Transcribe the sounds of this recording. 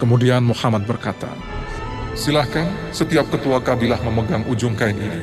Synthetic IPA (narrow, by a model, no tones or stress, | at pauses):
kəmudianmuhamat̪̚bərkat̪a̰ | silahkan | sət̪iap̚kət̪uakabilahməməɡaŋʔud͡ʒʊŋkainini